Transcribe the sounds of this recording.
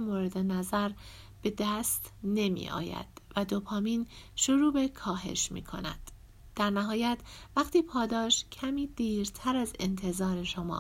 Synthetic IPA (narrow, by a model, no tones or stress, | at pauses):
moːɾe̞d̪enæzæɾ | b̥e̞d̪æːst̪ne̞mḭːʔɒ̰ːjæ̰d̪̥væd̪opʰɒːmiːnʃoɾuːbe̞kʰɒːɦe̞̰ʃmḭːkʰo̞̰næ̰d̪̥ː | æɾnæɦɒːjæt̪ʰvæχt̪ʰiːpʰɒːd̪ɒːʃcʰæmiːd̪̥iːɾt̪ʰæɾæze̞̰nt̪ʰe̞zɒːɾe̞ʃo̞mɒ̰